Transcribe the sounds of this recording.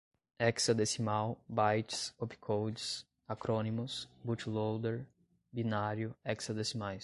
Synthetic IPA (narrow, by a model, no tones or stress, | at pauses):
ɛksad̪esimawbajt͡ʃɪ̥sopi̥kʰowd͡ʒɪs | akɾonimʊsbut͡ʃlowd̪eɾ | binaɾjʊɛksɐd̪esimajs